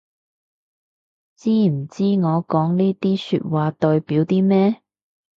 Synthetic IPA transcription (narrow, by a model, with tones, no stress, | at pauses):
t͡siː˥m̩˨˩t͡siː˥ŋɔː˨˧kɔː˨˥ŋniː˥t̪iː˥sy̰ː˧t̚waː˨˧t̪ɔː˧jpiː˨˥wt̪iː˥mɛː˥